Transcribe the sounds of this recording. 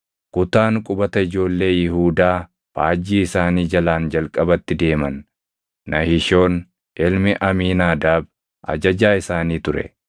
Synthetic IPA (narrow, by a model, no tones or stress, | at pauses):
kʊt̪aːŋkʼʊbɐt̪ɐɪd͡ʒo̞ːlːe̞ːjɪhuːd̪aː | faːd͡ʒːiːɪsaːniːd͡ʒɐlaːnd͡ʒɐlkʼɐbɐt̪ːɪd̪e̞ːmɐnː | ɐhɪʃo̞ːn | ʔɪlmɪʔɐmiːnaːd̪aːb | ʔɐ̰d͡ʒɐd͡ʒaːɪsaːniːt̪ʊɾɛ̰